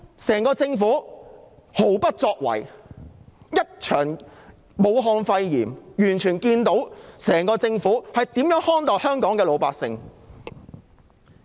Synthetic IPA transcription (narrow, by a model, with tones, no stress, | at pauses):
sɛː˨˩ŋkɔː˧t͡sɪ˧ŋfuː˨˥ | ho˨˥wpɐ˥t̚t͡sɔː˧k̚wɐ̰˨˩j | jɐ˥t̚t͡ʃʰœː˨˩ŋ | mo˨˧wɦɔː˧ŋfɐ˧jjiː˨˩mjyː˨˩nt͡ʃʰyː˨˩nkiː˧nt̪o˨˥wsɛː˨˩ŋkɔː˧t͡sɪ˧ŋfuː˨˥hɐ˨jt̪iː˨˥mjœː˨˥ŋhɔː˥nt̪ɔː˨˩hœː˥ŋkɔː˨˥ŋkɛː˧lo˨˧wpaː˧ksɪ˧ŋ